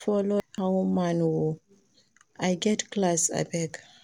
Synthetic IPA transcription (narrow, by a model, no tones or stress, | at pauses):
fɔlohawmanwu | ajɡɛtklasa̰bɛk